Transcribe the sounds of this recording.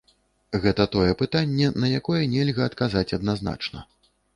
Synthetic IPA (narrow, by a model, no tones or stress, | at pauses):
ɣɛt̪ɐt̪ɔjɛpɨt̪anʲːɛnɐjakɔjɛnʲɛlʲɣɐːt̪kazat͡sʲɐd̪nazna̰t͡ʂnɐ̰